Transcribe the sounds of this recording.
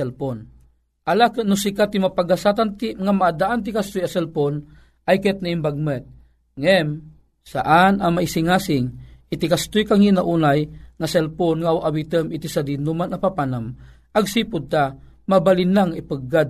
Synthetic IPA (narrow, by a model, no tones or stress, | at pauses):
ɛlpon | ʔalakənʊsikat̪imapaɡasat̪ant̪iŋamaʔad̪aʔant̪̬ikast̪ʊjasɛlpon | ʔajkɛt̪̚naimbaɡ̚mɛt̪̚ | ŋɛm | sa̰ʔanaŋmaisiŋasɪŋit̪ikast̪ʊjkaŋinaʔunajŋasɛlponŋawʔawit̪əmit̪isad̪inumanapapanam | ʔaɡsipʊd̪̚t̪a | mabalinaŋipɨɡad̪̚